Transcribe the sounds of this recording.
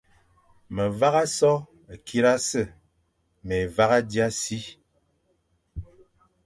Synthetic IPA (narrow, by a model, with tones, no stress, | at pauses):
mə˨va˦ɣa˦sɔ˦˨ | kʰi˦ɾa˦sə˦˨ | me˨va˦ɣa˦dja˦si˦